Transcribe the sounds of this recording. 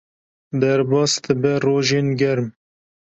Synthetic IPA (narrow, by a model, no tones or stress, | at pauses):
d̪ɛɾbɑːsd̪ɨbɛroːʒeːnɡɛɾm